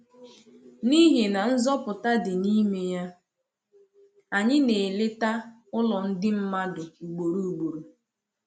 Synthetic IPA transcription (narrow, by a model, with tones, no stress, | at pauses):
ni˦ɦe˨na˨n̩˦zɔ˦pʊ˨ta˦dɪ˨ni˦me˦ja˦ | a˨ɲɪ˦ne˨le˦ta˦ | ʊ˦lɔ˨n̩˦dɪ˦m̩˦ma˦dʊ˨u˨ɡ͡bo˨ɾu˦u˨ɡ͡bo˨ɾu˨